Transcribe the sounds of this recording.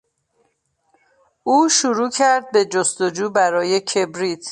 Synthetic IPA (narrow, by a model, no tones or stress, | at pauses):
uːʃuɾuːcʰæɾd̪̚be̞d͡ʒost̪od͡ʒuːbæɾɒːje̞cʰe̞bɾit̪ʰ